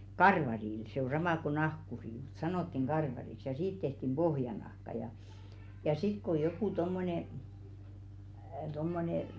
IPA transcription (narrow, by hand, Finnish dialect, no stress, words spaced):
kɑrʋɑril se o sɑmɑ ko nɑhkuri mu̥t sɑnotːiŋ ɡ̊ɑrʋɑriks jɑ siːt tehtim b̥ohjɑnɑhkɑ jɑ jɑ sit ko jokuˑ tomːone tomːone